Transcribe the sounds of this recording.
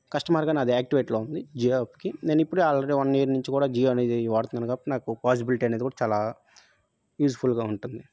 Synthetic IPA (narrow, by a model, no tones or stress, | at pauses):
kɐʂʈɐmaːɾɡaːnɐd̪iaːk̚ʈiʋeːʈloːund̪id͡ʒiːepːkine̞ːnuipːuɽuaːlɖeɽiʋɐnjiːɾnuɲt͡ʃikuːɽaːd͡ʒiːned̪iʋaːɽt̪und̪aːnukaːpːɐʈinaːkupaːs̬ibiliʈiːɐneːd̪ikuːɽat͡ʃaːlaː | juːspʰulɡaːuɳʈund̪i